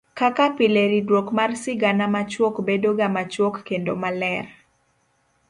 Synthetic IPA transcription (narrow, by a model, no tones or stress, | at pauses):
kakapileɾidwokmarsɪɡanamat͡ʃwokbedoɡamat͡ʃwokːendo̰malɛr